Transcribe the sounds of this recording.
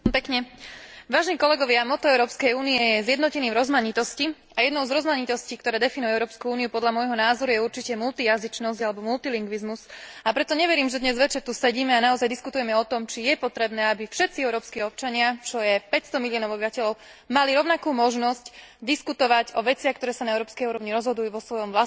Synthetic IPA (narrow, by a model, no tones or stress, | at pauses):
pɛkɲɛʋaːʒɛniːkɔlɛɡɔʋɪamɔt̪ɔɛʊɾɔːpskɛjuːniɛjɛzjɛd̪nɔcɛniːvɾɔzmaɲit̪ɔsci | ajɛd̪nɔʊzɾɔzmaɲit̪ɔsciːkt̪ɔɾɛːd̪ɛfinujɛɛʊɾɔːpskuuːniupɔd̪ʎamɔjɦɔnaːzɔɾujɛuɾt͡ʃicɛmult̪ijazit͡ʃnɔsɟalɛbɔmult̪iliŋɡʋizmusapɾɛt̪ɔɲɛʋɛɾiːmʒɛd̪ɲɛzʋɛt͡ʃɛɾt̪usɛɟiːmɛanaɔzajd̪iskut̪ujɛmɛɔt̪ɔmt͡ʃijɛpɔt̪ɾɛbnɛːabifʃɛt̪t͡siɛʊɾɔːpskiɔp̚t͡ʃaɲɪat͡ʃɔjɛpɛcst̪ɔmiliɔːnɔʊɔbiʋacɛʎɔʊ | maliɾɔʊnakuːmɔʒnɔscd̪iskut̪ɔʋacɔʋɛt͡sɪaxkt̪ɔɾɛːsanaɛʊɾɔːpskɛjuːɾɔʋɲiɾɔzɦɔd̪ujuʋɔsʋɔjɔmʋla